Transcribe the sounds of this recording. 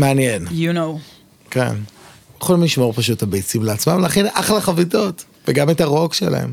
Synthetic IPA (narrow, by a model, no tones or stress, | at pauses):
meanjenjuno | kḛn | χolmliʃmo̞ʁpaʃ̬uthabejt͡simleat͡smamlaχenaχlaχavito̞t | veɡametaʁo̞kʃela̰hḛm